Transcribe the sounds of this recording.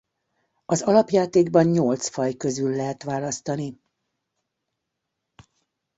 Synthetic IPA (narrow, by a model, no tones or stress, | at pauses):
ɒzɒlɒpjaːt̪eːɡbɒnɲolt̪sfɒjkø̞zylːɛɦɛt̪ʋaːlɒst̪ɒni